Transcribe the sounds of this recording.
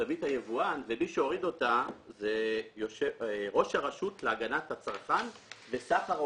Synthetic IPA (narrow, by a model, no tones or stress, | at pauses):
avithajevuanvemiʃeo̞ʁido̞tazejoʃeʁo̞ʃhaʁaʃutleaɡanathat͡saʁχanvesaχa